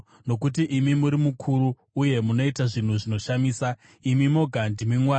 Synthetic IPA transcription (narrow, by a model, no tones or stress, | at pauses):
no̞kutiʔimimuɾimukʰuɾuː | je̞muno̞itaʐin̤uʐino̞ʃamiːsa | imimo̞ɡʱandimiŋwaː